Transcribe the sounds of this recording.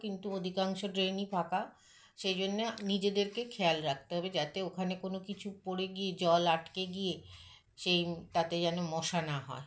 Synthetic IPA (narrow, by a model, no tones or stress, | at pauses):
kint̪uod̪ʱikaŋʃoɖɾenipʰaka | ʃejd͡ʑonːenid͡ʑed̪eɾkekʰɛalɾak̚ʰt̪eɦɔbed͡ʑat̪eokʰanekonokit͡ɕʰupoɽeɡied͡ʑɔlaʈkeɡije | ʃejt̪at̪ed͡ʑanomɔʃanaɦɔ̰e